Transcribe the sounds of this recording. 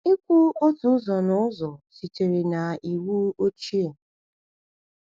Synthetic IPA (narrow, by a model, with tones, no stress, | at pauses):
ɪ˦kʷu˦o˦tu˦zɔ˨nʊ˦ʊ˦zɔ˨si˨te˨ɾe˨na˨i˨wu˦o˦t͡ʃi˦e˨